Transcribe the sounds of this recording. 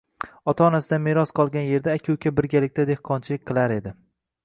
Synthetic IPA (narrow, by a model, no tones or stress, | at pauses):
ɒt̪ʰaɒnasɪd̪ameɾɒsqʰɒlˠɡʲanje̞ɾd̪aːkʲʰʊwkʲʰabɪɾɡʲalɪk̚ʲt̪ad̪e̞hqʰɒnt͡ʃʰɪlɪk̚ʲqʰɨlˠaɾe̞d̪ɪ